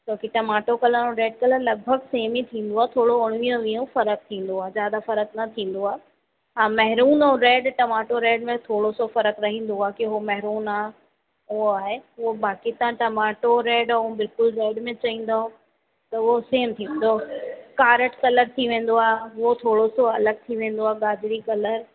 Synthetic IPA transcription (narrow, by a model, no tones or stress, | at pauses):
t͡ɕõːkiʈɐmaːʈokɐləɾõɾeːɖ̚kɐləɾlɐɡ̚bʱəɡseːmit̪ʰĩːn̆d̪oaːt̪ʰoːɽoʊɽ̃ʋijõʋiːõfɐɾək̚t̪ʰĩːn̆d̪oaːɦezjaːd̪afɐɾəknɐt̪ʰĩːn̆d̪oaːɦe | ãːmɐɦɾuːnoɾeːɖʈɐmaːʈoɾeːɖmẽt̪ʰoːɽosofɐɾəkɾɐɦĩːn̆d̪oaːkiɦomɐɦɾuːnaːɦ | ʊoaːɦeʊobaːkit̪ãʈɐmaːʈoɾeːɖũbɪlkʊlɾeːɖmẽt͡ɕɐĩːn̆d̪aɦõ | t̪ɐʊɦoseːmt̪ʰĩːnd̪okaːɾəʈkɐləɾt̪ʰiʋẽːn̆d̪oaːɦeʊot̪ʰoːɽosoɐləɡ̚t̪ʰiʋẽːn̆d̪oaːɡaːdɪɾikɐləɾ